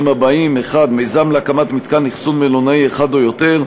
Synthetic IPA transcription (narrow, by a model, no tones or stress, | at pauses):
mabaimeχad̪mejzamleakamat̪mit̪kaniχsunmelonaieχad̪ojo̞t̪e̞ʁ